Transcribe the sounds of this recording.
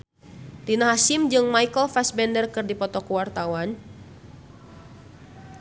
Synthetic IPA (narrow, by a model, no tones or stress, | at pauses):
dinaɦasimd͡ʒɨŋmaikəlfasbɛndərkɨrdipɔt̪ɔkuwart̪awan